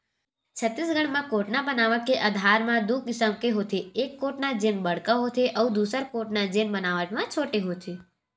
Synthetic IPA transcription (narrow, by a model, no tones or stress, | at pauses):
t͡ʃʰət̪ːis̬ɡəɽmãkoʈnabənaʋəkeʔəd̪ʱaɾmãd̪ukisəmkeɦot̪ʰeːkːoʈnad͡ʒenbəɽkaɦot̪ʰeʔəũd̪usəɾkoʈnad͡ʒenbənaʋəʈmãt͡ʃʰoʈeɦot̪ʰe